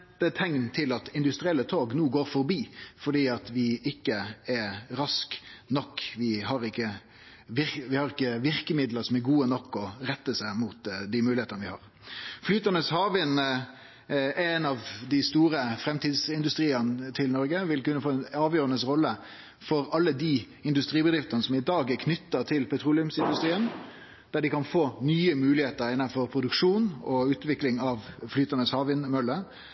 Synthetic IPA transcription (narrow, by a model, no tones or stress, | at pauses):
ət̪ʰɛŋnt̪ʰɪlɑt̪ɪnd̪ʉst̪ɾɪɛlːət̪ʰoːɡnuːɡoːɾfɔɾbiːfɔɖiːɑt̪ʋɪɪkːəɛɾɑsknɔkːʋɪhɑʁɪkːə | ʋɪʋɪhɑʁɪkːəʋɪɾkəmɪd̪ləɾsɔmæɾɡuːənɔkːɔɾɛt̪ːəsæɪmut̪d̪imʉːlɪeːt̪ənəʋɪhɑ̰ːʁ | flyːt̪əɑnəshɑːʋɪn | ʔɛnɑʋd̪ɪst̪uːʁəfɾɛmt̪ʰiːd̪sɪnd̪ʉst̪ʁiːənət̪ʰɪlnɔɾɡəʋɪlkʉnːəfoːɛnɑːʋjøːɾɑnəsʁɔlːə | fɔɾɑlːəd̪iː | ɪnd̪ʉst̪ʁiːbəd̪ɾɪft̪ənəsɔmɪd̪ɑːɡkʰnʏt̪ːət̪ʰɪlpʰɛt̪ʰɾuːlɪʉmsɪnd̪ʉst̪ʁiːən | d̪̥æɖɪkɑnfoːnyːəmʉːlɪheːt̪əɾɪnːɑnfɔʁpʰɾʊd̪ʉkʂuːnɔʉːt̪ʋɪklɪŋɑʋflyːt̪ɑnəshɑːʋɪnmœlːə